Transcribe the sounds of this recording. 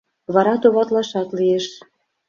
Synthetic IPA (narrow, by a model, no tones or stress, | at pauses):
βɑɾɑt̪oβɑt̪lɑʃɑt̪lieʃ